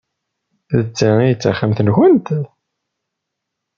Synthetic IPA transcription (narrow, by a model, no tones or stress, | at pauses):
θət͡sːaijt͡sːaχamθənxənt̪